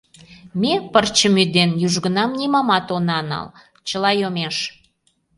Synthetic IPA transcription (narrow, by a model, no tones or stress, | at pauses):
mepərt͡ɕəmyd̪enjyʒɣə̆nɑmnʲimɑmɑt̪onɑnɑ̰l | t͡ɕəlɑjomeʃ